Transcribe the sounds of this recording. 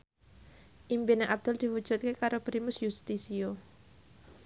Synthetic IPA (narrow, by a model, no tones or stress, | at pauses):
ʔimpineʔab̚d̪̥ɔld̪̥i̤wu̥ʒ̥ut̪̚kekaɾopɾimʊsjust̪isio